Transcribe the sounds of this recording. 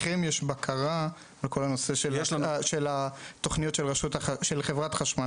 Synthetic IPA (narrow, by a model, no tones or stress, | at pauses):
χemjeʃbakʰaʁa | bekʰo̞lano̞se̞ʃelaʃelat̪o̞χnijotʃelʁeʃut̪aʃelχevʁatχaʃma